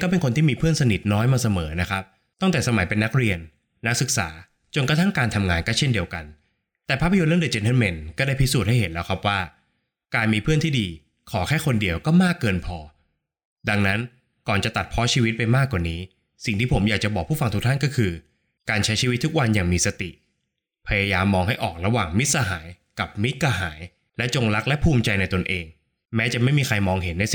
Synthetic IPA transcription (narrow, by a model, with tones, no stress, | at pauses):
kɔː˥˩pe˧nkʰo˧nt̪ʰiː˥˩miː˧pʰɯ˥˩ənsa˧ni˨˩t̪̚nɔː˦˥jmaː˧sa˧mɤː˩˦na˦˥kʰa˦˥p̚ | t̪ɔ˥˩ŋt̪ɛː˨˩sa˧ma˨˩˦jpe˧nːa˦˥k̚ɾi˧ənː | a˦˥k̚sɯ˨˩k̚sa̰ː˩˦ | t͡ɕo˧nka˧t̪ʰa˥˩ŋkaː˧nt̪ʰa˧mŋaː˧nkɔː˥˩t͡ɕʰe˥˩ndi˧əwka˧n | t̪ɛː˨˩pʰaː˥˩pʰa˧jo˧nɾɯ˥˩ŋde˨˩t͡ɕe˧nt̪ə˧˥me˧nkɔː˥˩daː˥˩jpʰi˦˥suː˨˩t̪̚ha˥˩ɦe˨˩˦nlɛː˦˥wkʰa˦˥p̚waː˥˩ | kaː˧nmiː˧pʰɯ˥˩ənt̪ʰiː˥˩diː˧ | kʰɔː˩˦kʰɛː˥˩kʰo˧ndi˧əwkɔː˥˩maː˥˩kːɤː˧npʰɔː˧ | da˧ŋna˦˥n | kɔː˨˩nt͡ɕa˨˩t̪a˨˩t̪̚pʰɔ˦˥t͡ɕʰiː˧wt̪̚pa˧jmaː˥˩kːwaː˨˩niː˦˥ | si˨˩ŋt̪ʰiː˥˩pʰo˩˦mjaː˨˩k̚t͡ɕa˨˩bɔː˨˩pʰuː˥˩fa˧ŋt̪ʰu˦˥t̪ʰa˥˩nkɔː˥˩kʰɯː˧ | kaː˧nt͡ɕʰa˦˥jt͡ɕʰiː˧wi˦t̪ʰːu˥k̚wa˧njaː˨˩ŋmiː˧sa˧t̪ḭ˨˩ | pʰa˧jaː˧jaː˧mːɔː˧ŋɦa˥˩jʔɔː˨˩k̚ɾa˧waː˨˩ŋmi˦˥t̪̚sa˧ɦaː˩˦j | ka˨˩p̚mi˦˥t̪̚kʰaː˧ɦaː˩˦j | lɛ˦˥t͡ɕo˧ŋɾa˦˥k̚lɛ˦˥ʔpʰuː˧mt͡ɕa˧jna˧jt̪o˧nʔeː˧ŋ | mɛː˦˥t͡ɕa˨˩ʔma˥˩jmiː˧kʰa˧jmɔː˧ŋɦe˩˦nːa˧jsi˨˩